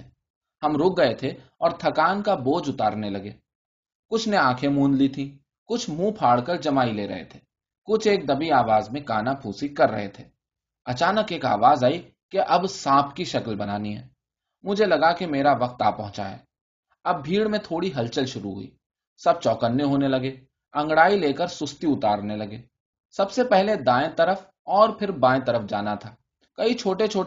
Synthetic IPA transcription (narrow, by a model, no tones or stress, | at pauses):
hɐmɾʊk̚ɡɐet̪ʰeɔːɾt̪ʰɐkaːnkaboːd͡ʒʊt̪aːɾnelɐɡeː | kʊt͡ʃʰneãːkʰẽmũːnd̪lit̪ʰĩ | kʊt͡ʃʰmũːpʰaːɽkəɾd͡ʒɐmaːileːɾɐ̰ɦḛt̪ʰeː | kʊt͡ʃʰeːk̚d̪ɐbiaːʋaːzmẽkaːnapʰuːsikɐɾːɐ̰ɦet̪ʰeː | ɐt͡ʃaːnəkeːka̰ːʋaːzaːi | keʔɐbsãːpʰkiʃɐkəlbɐnaːniɦɛ̰ː | mʊd͡ʒʱelɐɡakemeːɾaʋɐq̚t̪aːpɐɦʊ̃t͡ʃa̰ɦɛ̰ː | ɐb̚bʱiːɽmẽt̪ʰoːɽiɦɐlt͡ʃəlʃʊɾuɦʊ̰ḭː | sɐb̚t͡ʃɔːkənːeɦoːnelɐɡe | ɐ̃ŋɡɽaːileːkəɾsʊst̪iʊt̪aːɾnelɐɡeː | sɐbsepɛɦled̪ãːẽt̪ɐɾəf | ɔːɾpʰɪɾbãːẽt̪ɐɾəfd͡ʒa̰ːnat̪ʰaː | kɐit͡ʃʰoːʈet͡ʃʰoː